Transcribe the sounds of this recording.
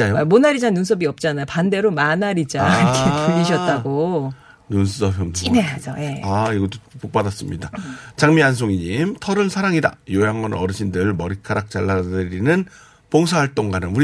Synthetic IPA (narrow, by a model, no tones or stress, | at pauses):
ajomonaɾid͡ʑanuns̬ʰʌbiʌp̚t͡ɕ͈anajopande̞ɾomanaɾid͡ʑaɾkʰepuʎːiɕ̬ʰʌt̚t͈aɡo | nunsʰusʰʌpʰjʌninead͡ʑʌje̞aiɡʌt͈opok̚p͈adas͈ɯmɲidat͡ɕaŋmians̬ʰoŋiɲimtʰʌɾɯɭsʰaɾaŋida̰jojaŋʌnʌɾɯɕʰindɯɭmʌɾikʰaɾak̚t͡ɕ͈aɭːadɯɾinɯn | poŋsʰahaɭt͈oŋɡanɯnuɾi